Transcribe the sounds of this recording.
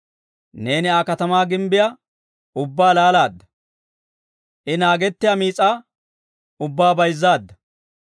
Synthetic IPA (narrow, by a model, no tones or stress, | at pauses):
ne̞ːnɪaːkɐt̪ɐmaːɡɪmbɪjɐ | ʊbːaːlaːlaːd̪ːɐ | ʔɪnaːɡɛt̪ːɪjamiːt͡sʼaː | ʊbːaːbɐjzːaːd̪ːɐ